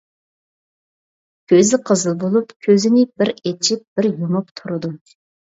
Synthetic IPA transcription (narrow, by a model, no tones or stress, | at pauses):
kʲʰøzɪqʰəzɨlˠbolˠupkʲʰøzɪnɪbɪɾet͡ʃʰip̚b̥ɪɾjomʊpt̪ʰuɾɨd̪u